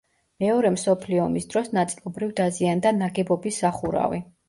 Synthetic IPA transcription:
mɛɔɾɛmsɔpʰliɔmisd̪ɾɔsnat̪sʼilˠɔbɾivd̪aziand̪anaɡɛbɔbisːaχuɾa̰vi

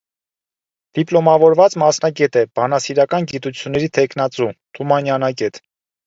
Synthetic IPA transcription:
d̪̥iplɔmɑvɔɾvɑt͡smɑsnɑɡɛt̪ɛb̥ɑnɑsiɾɑkɑnɡit̪ut͡sʰjunːɛɾit̪ʰɛkʰnɑt͡sut̪ʰumɑnjɑnɑɡɛt̪

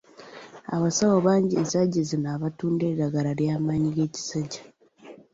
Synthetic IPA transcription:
aβasawoβaːɲɟinzaɟezinaːβatuːnde̞ːɾaɡaɾaɾjaːmaɲiɡeːci̥saɟḁ

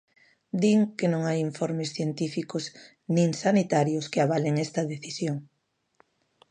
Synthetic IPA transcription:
d̪iŋkɪnõŋajiɱfɔɾmɪsθjent̪ifikʊz | nĩŋsanit̪aɾjʊskɪaβalɪŋɛst̪ɐðeθisjoŋ

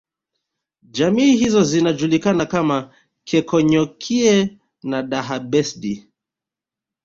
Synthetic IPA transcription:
d͡ʒamiːhizɔzinad͡ʒulikanakama | kʰɛkɔɲɔkʰiɛ | naɗaɦaɓɛsɗi

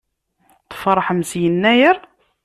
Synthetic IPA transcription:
θə̥fɾˤɑħəmsjənːæjəɾ

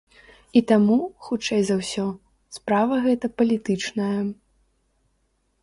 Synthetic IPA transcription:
it̪amuxut͡ʂɛjzɐwsʲɔ | spɾavɐɣɛt̪ɐpɐlʲit̪ɨt͡ʂnɐjɐ

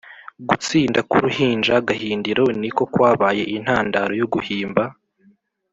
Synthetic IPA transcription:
ɡut͡siːndakuɾuhiːnd͡ʒaɡahiːndiɾo̞niko̞kwaːβaːje̞ʔin̥haːndaɾo̞joɡuhiːmba

